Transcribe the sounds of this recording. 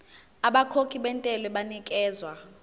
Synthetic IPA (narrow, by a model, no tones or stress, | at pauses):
aɓakʰokʰiɓɛntʼɛlɛɓanikʼɛːzwa